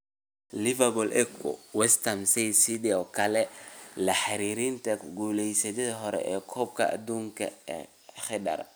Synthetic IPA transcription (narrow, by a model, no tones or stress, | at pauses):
lɪvɐbɔlʔɛkʰɔ̰wɛst̪ʰɐmsɛjsid̪iɔkʰɐlɛlɐħaɾiːɾint̪ʰɐɡuːlɛjsɐdɐðɐɦɔɾɛ̰ʔɛːkʰɔːb̚kʰɐʔɐ̰d̪uːŋkʰɐ̰ɛ | χɪdɐ̰r